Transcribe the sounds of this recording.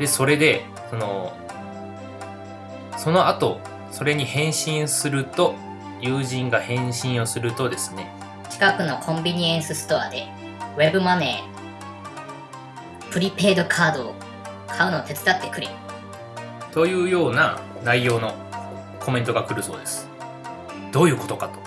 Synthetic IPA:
d̪e̞so̞ɾe̞d̪e̞ | so̞no̞ | so̞no̞at̪o̞ | so̞ɾe̞ɲ̟ihẽ̞ɰ̃ɕĩɰ̃sɨɾɯ̟t̪o̞ | jɯ̟ːʑĩŋɡahẽ̞ɕĩɰ̃o̞sɨɾɯ̟t̪o̞d̪e̞sɨ̥ne̞ | t͡ɕi̥kakɯ̟no̞kʰõ̞mbʲiɲ̟iẽ̞ɰ̃sɨsɨ̥t̪o̞ad̪e̞ | βe̞bɯ̟mane̞ː | pɯ̟ɾʲipe̞ːd̪o̞kʰaːd̪o̞ː | kʰaɯ̟noːt̪e̞t͡sɨ̥d̪at̪ːe̞kɯ̟ɾe | t̪o̞jɯ̟ːjo̞ːnanaijo̞ːno̞ | kʰo̞mẽ̞nt̪o̞ɡakɯ̟ɾɯ̟so̞ːd̪e̞sɨ̥ | d̪̥o̞ːjɯ̟ːko̞̥t̪o̞kat̪o̞̥

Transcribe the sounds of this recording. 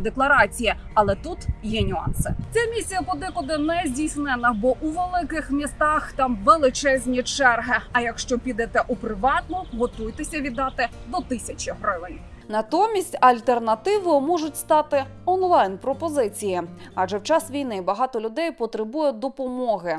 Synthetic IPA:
d̪eklˠɐɾɑt͡sʲiji | ɐlˠɛt̪ut̪jɛnʲʊɑ̰nsɪ̰t͡sʲamʲisʲijɐpɔd̪ɪkʊd̪ɪnɛzʲdʲijsnɛnɐbɔʔuʋelˠɪkɪxmʲist̪ɑxt̪ɑmʋelˠɪt͡ʃɛzʲnʲit͡ʃɛrɦɪɐjɐkʃt͡ʃɔpʲid̪ɛt̪ɛʔupɾɪʋɑt̪nɔɦɔt̪ujt̪esʲɐʋʲid̪ːɑt̪ɪd̪ɔt̪ɪsʲɐt͡ʃʲiɦɾɪʋɪnʲ | nɐt̪ɔmʲisʲtʲɐlʲt̪ernɐt̪ɪʋɔjmɔʐʊtʲst̪ɑt̪ɪ | ɔnlˠɑjnpɾɔpɔzɪt͡sʲijiɐʒɛwt͡ʃɑsʋʲijnɪbɐɦɑt̪ɔlʲʊd̪ɛjpɔt̪ɾɪbujɛd̪ɔpɔmɔɦɪ

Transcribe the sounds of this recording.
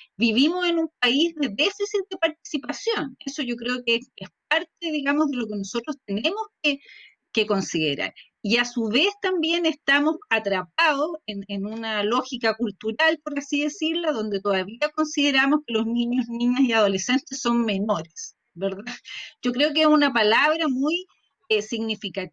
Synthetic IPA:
biβimose̞nump̚aizðe̞ðe̞fisit̪̚ðepaɾt̪̚i̥sipasjo̞neso̞ʝo̞kɾeokeesp̚aɾt̪eðiɣamozðe̞lo̞keno̞so̞t̪ɾost̪̚enemosk̚e | keko̞nsiðḛɾa̰ɾ | iasuβe̞st̪ambje̞nest̪amosat̪ɾap̚aðosenenunalo̞xikakult̪uɾalpoɾasiðesiɾlaðo̞nd̪et̪oðaβiako̞nsið̞eɾamoskelo̞zniɲozniɲasiaðo̞le̞se̞nt̪esːo̞nme̞noɾes | beɾðaɟ͡ʝo̞kɾeok̬esunapalaβɾamuj | esiɣnifikat̪

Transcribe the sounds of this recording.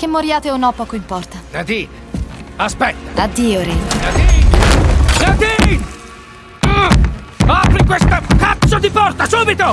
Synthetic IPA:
k̟emːoɾjaːt̪eonːɔpːɔːkoimpɔrt̪aad̪i | aspɛt̪ːaad̪iːoɾiad̪i | at̪i | apɾikwest̪akat̪sod̪ifɔrt̪asuːbit̪o

